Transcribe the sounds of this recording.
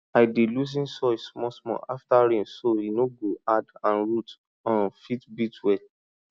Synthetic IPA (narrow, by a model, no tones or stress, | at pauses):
aɪdelus̬ĩnsɔɪsmɔsmɔ̰̃ʔaftaɾĩmsoinoɡoadãnɹut | ɔ̃nfitbitwɛ